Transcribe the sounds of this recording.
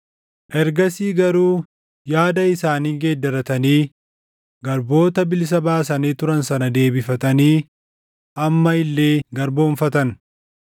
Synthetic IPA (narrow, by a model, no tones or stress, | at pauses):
ʔɛɾɡɐsiːɡɐɾuː | jaːd̪ɐɪsaːniːɡeːd̪ːɐɾɐt̪ɐniː | ɡɐɾbo̞ːt̪ɐbɪls̬ɐbaːs̬ɐniːt̪ʊɾɐnsɐnɐd̪e̞ːbɪfɐt̪ɐniː | ʔɐmːɐɪlːe̞ːɡɐɾbo̞ːɱfɐt̪ɐn